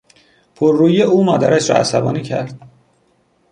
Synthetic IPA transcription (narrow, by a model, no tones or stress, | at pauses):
pʰoɾːuːjeuːmɒːd̪æɾæʃɾɒ̰ːæ̰sæbɒ̰ːniːcʰæ̰ɾd̪̥